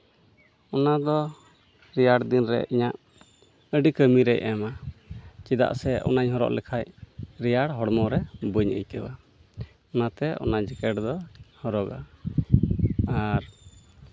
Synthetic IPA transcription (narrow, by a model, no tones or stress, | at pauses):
ɔnad̪ɔ | ɾijaɽd̪inɾɛ̰ʔiɲaʔ | əɖikəmiɾɛʔɛma | t͡ʃid̪a̰ʔsɛʔɔ̰naɲɦɔɾɔ̰ʔlɛkʰacɾijaɽɦɔɽmɔɾɛbəɲə̰jkəba | ɔnat̪ɛɔ̰nad͡ʒɛkɛʈd̪ɔhɔɾɔɡa | aɾ